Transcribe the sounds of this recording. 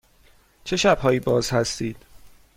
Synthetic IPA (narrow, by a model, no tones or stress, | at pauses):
t͡ʃʰe̞ʃæb̥hɒːiːbɒːz̥hæst̪iːd̪̥